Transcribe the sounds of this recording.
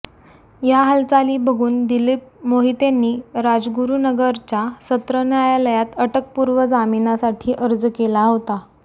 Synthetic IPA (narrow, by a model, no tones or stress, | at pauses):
jaɦəlt͡saliːbəɡʱuːnd̪ilip̚moɦit̪anːiːɾad͡zɡuɾunəɡəɾt͡ɕasət̪ɾənjajaləjat̪əʈək̚puɾʋəd͡zaminasaʈʰiːʔəɾd͡zkelaɦot̪a